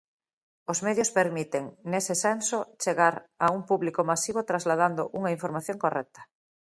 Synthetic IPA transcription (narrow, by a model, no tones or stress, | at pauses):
ozmeðjospeɾmit̪eŋnesesɛnsot͡ʃeɣaɾauŋpuβlikomasiβot̪ɾazlað̞and̪oʔuŋaiɱfoɾmaθjõŋkorɛk̚t̪ɐ̥